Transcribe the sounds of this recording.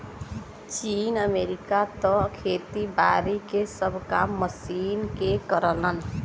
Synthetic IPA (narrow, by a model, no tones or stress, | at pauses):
t͡ʃiːnəmeːɾikat̪ɔkʰeːt̪ibaːɾikesəbʱkaːmːəsiːnkekəɾələn